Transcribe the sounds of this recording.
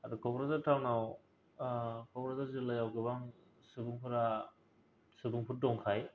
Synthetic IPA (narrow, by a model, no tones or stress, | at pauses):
adɯkʰɔbɾazaɾtʰawnaw | kʰɔbɾazaɾzɯlajawɡɯbaŋ | sɯbuŋpʰɯɾa | sɯbuŋpʰut̚dɔŋkʰaj